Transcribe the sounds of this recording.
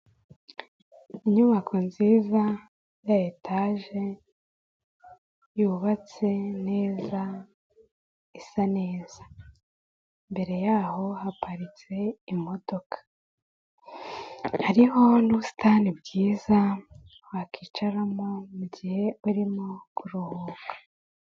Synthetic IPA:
iɲuβakʰo̞nziːza | jajetʰaːʒe̞ | juːβat͡se̞ne̞ːza | isane̞ːz̥ḁ | mbe̞ɾe̞jaːho̞hapaɾit͡se̞imo̞do̞kʰḁ | haɾiho̞nuβusi̥tanibɡiːza | wakʰiːt͡ʃaɾamomuɟihe̞uɾimokʰuɾohoːkḁ

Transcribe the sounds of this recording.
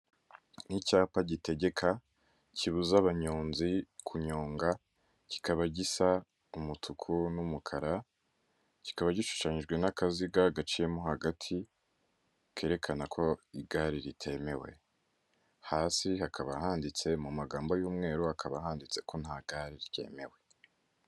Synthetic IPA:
nicaːpaɟite̞ɡe̞kʰa | ciβuzaβaɲoːnzikʰuɲo̞ːŋɡa | ci̥kaβaɟisa | umutʰukʰunumukʰaɾa | ci̥kaβaɟiʃu̥ʃaɲiʒɡwe̞nakaziɡaɡat͡ʃijemuhaɡatʰi | kʰe̞ːɾe̞kʰanakʰo̞iɡaɾiɾitʰe̞me̞we̞̰ | haːsihakʰaβaɦaːndit͡se̞mumaɡaːmbojuːmŋe̞ːɾuhakʰaβahaːndit͡se̞ko̞n̥haɡaɾiɾice̞̰ːme̞̰we

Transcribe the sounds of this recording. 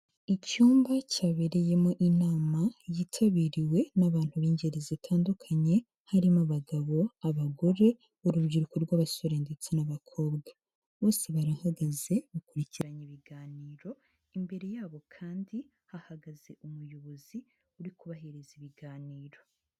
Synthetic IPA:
icuːmbacaːβeɾe̞je̞moʔinaːmajitʰaβiːɾiwe̞naβaːn̥huβiːɲɟe̞ɾezitʰaːndukʰaɲe̞ | haɾimaβaɡaβo̞aβaɡo̞ɾe̞ | uɾuβɟiɾukoɾɡwaːβaso̞ɾeːndet͡senaβakʰo̞ːbɡa | βo̞ːse̞βaɾaːhaɡaze̞mukuɾiciɾaɲiβiɡaːniːɾo̞ | imbe̞ɾe̞jaːβo̞kʰaːndi | hahaɡaze̞ʔumujoβozi | uɾikuβaɦeɾeziβiɡaːniːɾo̞

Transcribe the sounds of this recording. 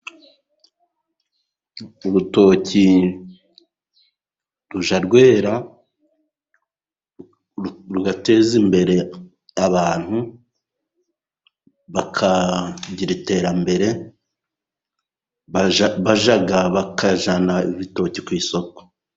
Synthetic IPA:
uɾuto̞ːci | ɾuʒaɾɡwe̞ːɾa | ɾuɡate̞ːzimbe̞ɾe̞ | aβaːn̥hu | βakʰaɟiɾite̞ːɾambe̞ɾe̞ | βaʒaɡaβakʰaʒanaiβito̞cikwiːso̞ko̥

